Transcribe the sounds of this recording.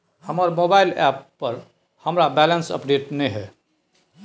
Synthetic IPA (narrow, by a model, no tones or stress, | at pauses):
həməɾmobaɪlɛpːəɾ | həmɾabɛlənsə̰pɖeːʈnəɦɛ